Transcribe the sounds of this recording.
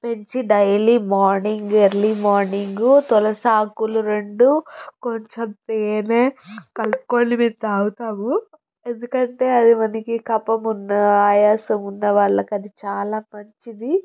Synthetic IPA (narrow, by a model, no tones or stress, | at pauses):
pe̞ɲt͡ʃiɖɐjɐlimaːɾniŋɡeɾlimaːɾniŋɡut̪ɔlɐsaːkuluɾe̞ɳɖukoɲt͡ʃɐmt̪eːneːkɐlpkoːnimit̪ːaːwut̪aːmu | e̞nd̪ukɐɳʈe̞ːɐd̪imɐnɐkikɐpɐmunːɐaːjaːsɐmunːɐʋaːɭːɐkɐd̪it͡ʃaːlaːmɐɲt͡ʃid̪i